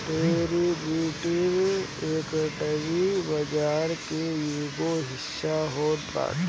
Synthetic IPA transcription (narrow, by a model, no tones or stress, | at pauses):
t̪eːɾibiːʈiɾeːkəʈəʋibɐd͡ʒaːɾkeeːɡoɦɪʃʃaɦoːba̰ːt